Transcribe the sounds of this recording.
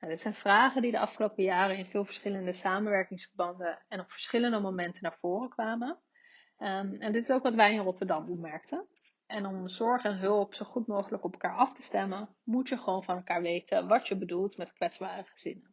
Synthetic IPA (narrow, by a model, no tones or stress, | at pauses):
nadɪtsɛjnv̥raːχəndidəɑfχəlowpəjaːrənɪnvɪːlˠvəɹsχɪləndəsaːmənʋɛɹkɪŋsfəɹbɑndəɛnɔpfə̥ɹsχɪləndəmomɛntənaːɹv̥ʊːrəkʋaːmən | ɛndɪtɪsowkʋɑtʋɛjɪnrɔtəɹdɑmɔpmɛɹktʰən | ɛnɔmzɔɹχɛnɦɵlˠpsoχutmowχələkɔpɛlˠkaːɹɑftə̥stɛmən | mutəχəʋownvɑnɛlˠkaːɹʋejtʰənʋɑtjəbədulˠtmɛtkʋɛtzbaːrəχəz̥ɪnən